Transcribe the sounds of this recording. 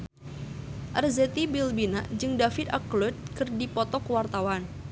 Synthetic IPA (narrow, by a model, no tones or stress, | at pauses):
ʔərzɛt̪ibilbinaʔd͡ʒɨŋdafit̪aklʊt̪̚kɨrdipɔt̪ɔkəwart̪awan